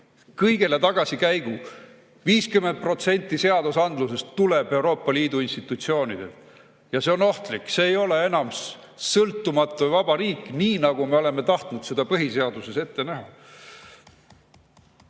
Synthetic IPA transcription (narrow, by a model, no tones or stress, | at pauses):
kɤjɡe̞le̞t̪ɑɡ̥ɑsikæjɡ̥u | viːskymend̪̚pro̞t̪se̞nʲt̪ːˑise̞ɑd̪usɑnd̪luse̞st̪ːuleb̥e̞wɾo̞ːpˑːɑliːd̪uinst̪it̪ːˑut̪sio̞ːnid̪̥e̞̰t̪ | jɑse̞o̞no̞ht̪likːˑse̞ːjo̞le̞e̞nɑms | sɤlt̪ːˑumɑt̪ːˑuvɑb̥ɑɾiːkːniːnɑɡ̥ume̞o̞le̞mːe̞t̪ɑht̪nud̪̥sed̪ɑpɤɦise̞ɑd̪̥use̞se̞t̪ːe̞næɦɑ